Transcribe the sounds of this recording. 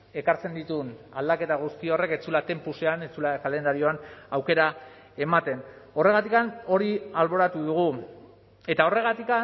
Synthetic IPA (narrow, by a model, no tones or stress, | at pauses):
e̞kaɾt͡se̞nd̪it̪unald̪ake̞t̪aɣ̞ust̪io̞re̞ket͡sulat̪e̞mpuseanet͡sulakale̞nd̪aɾio̞anawke̞ɾa | e̞mat̪e̞no̞re̞ɣ̞at̪ikano̞ɾialβo̞ɾat̪uðuɣ̞u | e̞t̪ao̞re̞ɣ̞at̪ika